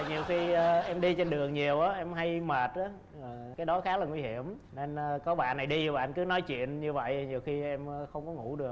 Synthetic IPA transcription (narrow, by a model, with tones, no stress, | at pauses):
ɲi˨˩əwxi˧ʔɛ˧mɗi˧t͡ɕe˧nɗɨ˨˩əŋɲi˨˩əwʔaː˨˦ʔɛ˧mɦa˧jməː˨˩t̚ʔaː˨˦˨ | kaː˨˦jɗɔ˨˦xaː˨˦laː˨˩ŋwi˧hi˧˨əm | ne˧nː˧kɔ˨˦ɓa̰ː˧˨nːa˨˩jɗi˧˩ɓa̰ː˧˨nkɨ˨˦nɔ˨˦jt͡ɕwḭ˧˨ənɲɨ˧və̰˧˨jʔɲi˨˩əwxi˧ʔɛ˧mː˨xə˧wŋ͡mkɔ˨˦ŋṵ˧˥ɗɨ˨˩ək̚